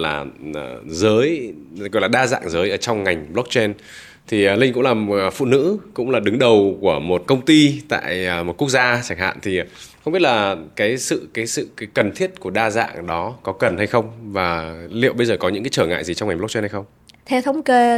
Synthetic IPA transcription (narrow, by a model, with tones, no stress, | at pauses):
laː˨˩˨ | zəː˨˦jɣɔ̰˨jlaː˨˩ɗaː˧za̰ː˧˨ŋzəː˨˦jʔəː˧˩t͡ɕɔ˧wŋ͡mŋa˨˩jŋ̟ɓlɔ˦˥k̚t͡ɕɛ˧n | t̪ʰi˨˩˨li˧ŋ̟kʊ̰˧˥ŋ͡mlaː˨˩mː˨˩fṵ˧˨nɨ̰˧˥kʊ̰˧˥ŋ͡mlaː˨˩ɗɨ˨˦ŋɗə˨˩wku˧˩əmo˨˩t̚kə˧wŋ͡mt̪i˧t̪a̰ː˧˨jmo˨˩t̚ku˦˥ək̚zaː˧t͡ɕa˧˩ŋ̟ha̰ː˧˨nt̪ʰi˨˩xə˧ŋ͡mɓi˦˥tlaː˨˩kaː˨˦jsɨ̰˧˨kaː˨˦jsɨ̰˧˨kaː˨˦jkə˨˩nt̪ʰi˦˥ət̚ku˧˩əɗaː˧za̰ː˧˨ŋɗɔ˨˦kɔ˨˦kə˨˩nha˧jxə˧wŋ͡mvaː˨˩lḭ˧˨əwɓə˧jzəː˨˩kɔ˨˦ɲɨ̰˧˥ŋkaː˨˦t͡ɕəː˧˩ŋa̰ː˧˨zi˨˩t͡ɕɔ˧ŋ͡mŋa˨˩ŋ˩lɔ˦˥t͡ɕɛ˧nha˧jxə˧wŋ͡m | t̪ʰɛ˧wt̪ʰə˧wŋ͡mkə˧